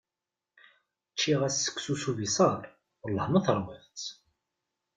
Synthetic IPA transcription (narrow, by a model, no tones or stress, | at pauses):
t͡ʃːiʁæsːə̥kːsusuvisɑɾˤ | lːəhməθəɾˤmiðˤt͡s